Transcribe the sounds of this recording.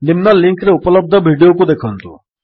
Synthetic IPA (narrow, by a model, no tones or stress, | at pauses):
nɪmnalɪ̃ŋkɾeupələb̚d̪ʱəbʱiɖijokud̪ekʰənt̪ṵ